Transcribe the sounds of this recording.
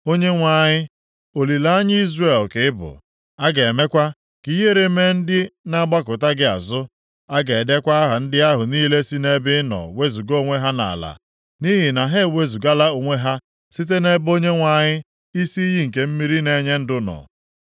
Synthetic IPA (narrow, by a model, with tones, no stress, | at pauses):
o˦ɲe˦ŋʷa˨ɲɪ˦ | o˨li˨la˦a˦ɲɪ˦i˦zre˦˨lkɪ˨ɪ˦bʊ̰˨ | a˦ɡe˨e˨me˦kʷa˦ | ki˦ɦe˦ɾe˨me˦n̩˦dɪ˦na˦ɡ͡ba˦kʊ˨ta˦ɡɪ˦a̰˨zʊ˦ | a˦ɡe˨de˦kʷa˦a˦ɦa˨n̩˦dɪ˦a˦ɦʊ˨niː˦le˦si˦ne˦bɪ˦nɔ̰˨we˦zu˨ɡo˦˨ŋʷe˦ɦa˦na̰˨la̰˨ | ni˦ɦi˨na˨ɦe˦˨we˦zu˨ɡa˦la˦o˨ŋʷe˦ɦa˦ | si˦t̬e˦ne˦bo˦ɲe˦ŋʷa˨ɲɪ˦ | i˦si˦i˦ɦi˦ŋ̩˨ke˨m̩˦mi˦ɾi˦ne˦ɲe˦n̩˦dʊ˦nɔ̰˨